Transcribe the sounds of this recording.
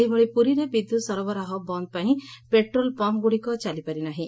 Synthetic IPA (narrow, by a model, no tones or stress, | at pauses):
ɦibɔɭipuɾiɾebid̪ʱːusɔɾɔbɔɾaɦɔbɔnd̪̚paĩpeʈɾolpɔmɡuɽikɔt͡ʃalipaɾinaɦĩ